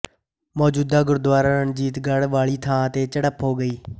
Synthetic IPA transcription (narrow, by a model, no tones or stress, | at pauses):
mɔːd͡ʒuːd̪aːɡʊɾd̪waːɾaːɾənd͡ʒiːt̪ɡəɽʋaːɭiːt̪ʰãːət̪eːt͡ʃəɽəpɦoːɡəiː